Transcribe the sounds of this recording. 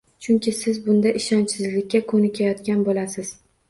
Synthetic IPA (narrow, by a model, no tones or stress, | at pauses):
t͡ʃʰʊŋkʲɪsɪzbʊnd̪aʔɪʃɒnsɪzlɪkʲːakʰɵnɪkʲʰajɒt̪kʲanbolasɪz̥